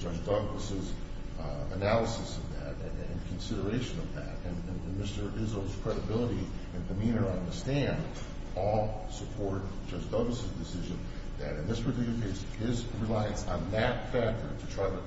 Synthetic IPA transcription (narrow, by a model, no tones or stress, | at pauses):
d̥ʒ̥ʌd͡ʒdʌɡləsɪz | ɨnælˠəsɨsʌvðæɾɨ̃ɨ̃nkʰn̩sɪɾə˞eɪʃɨ̃nʌvðæ̰ɾɨ̃nɨ̃nɨ̃nmɪstə˞ɪzoʊz̥kʰɹ̥ɛɾɨbɪlˠəɾiɨ̃nðɨmĩnə˞ʌ̃ndə˞stæ̃nd | ɔlˠ | səpʰɔɹɾt̚ʒ̥ʌd͡ʒdʌɡləsɨzdɨsɪʒɨ̃n | ðɨ̰ɾɨ̃nðɪspʰə˞tʰlɪkl̩ˠə˞kʰeɪs | ɪzɹilaɪɨ̃nsn̩ðɨtfæk̚tə̰˞ɾɨtʰɹ̥aɪɾɨ